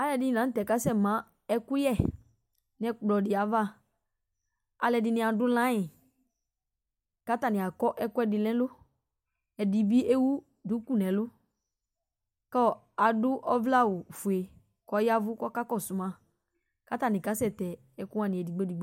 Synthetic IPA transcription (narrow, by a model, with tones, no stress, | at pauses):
a˨lɛ˨dɪ˦ɪ˨nã˨˦tɛ˨ka˦sɛ˦˨mã˨˦ | ɛ˦kʊ˦jɛ˦˨ | n˦ɛ˦k͡plɔ˨dɪ˨a˨va˦˨ | a˨lɛ˨dɪ˧nɪ̃˨a˨dʊ˦lã˦ɪ̃˨ | ka˦ta˨nɪ˨a˨kɔ˦ʔɛ˦kʊ˦ɛ˦dɪ˨lɛ̃˦lʊ˦ | ɛ˨dɪ˨bi˦e˦wu˦ | dʊ˨˦ku˦˨nɛ̃˨lʊ˦ | kɔ˦˨ | a˨dʊ˦ʔɔ˦vla˦˨wʊ˨fʊ˨e˨ | kɔ˨˦ja˦vʊ˦kɔ˦ka˦kɔ˦˨sʊ˨mã˦˨ | ka˦ta˨nɪ̃˨ka˨˦sɛ˦˨tɛ˨ | ɛ˦kʊ˦ã˦˨nɪ̃˨ɛ˨di˨ɡ͡be˦di˨ɡ͡be˦